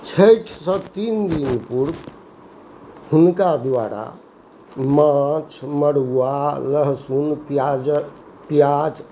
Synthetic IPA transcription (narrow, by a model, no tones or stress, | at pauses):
t͡ʃʰəjʈʰsə̃t̪ind̪inpuɾ | hunkad̪waɾa̰ | mat͡ʃʰməɽuwaləɦsunpd͡ʒ | pjad͡ʒ